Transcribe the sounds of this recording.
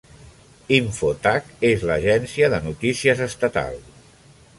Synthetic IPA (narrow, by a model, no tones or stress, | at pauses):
iɱfot̪akezləʒɛnsiəðənut̪isiəzəst̪ət̪a̰lˠs